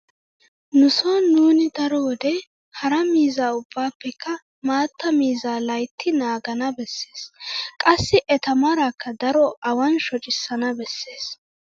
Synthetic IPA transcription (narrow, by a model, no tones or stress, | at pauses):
nʊsonuːnɪd̪ɐɾod̪ɛ | hɐɾɐmiːzaːʊbːaːpːɛkːɐ | maːt̪ːɐmiːzaːlɐjt̪ʰːɪnaːɡɐnɐbɛsːeːskʼɐsːɪʔɛt̪ɐmaɾaːkʰːɐd̪ɐɾɔʔɐwɐnʃɔt͡ʃʼɪsːɐnɐbɛsːeːs